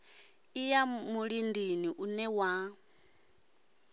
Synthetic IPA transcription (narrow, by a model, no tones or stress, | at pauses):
ijamuɺindiniʔunɛwa